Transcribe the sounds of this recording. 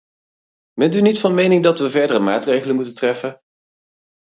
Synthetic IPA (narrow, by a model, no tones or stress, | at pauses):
bɛnt̬ynitfɑnmejnɪŋdɑtʋəvɛɹdərəmaːtrejχələnmutəntrɛfən